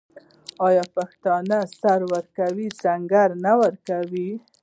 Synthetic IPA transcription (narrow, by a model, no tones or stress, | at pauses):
ɑjɑpaxt̪ɑnasaɾwəɾkawizaŋɡaɾnawəɾkawi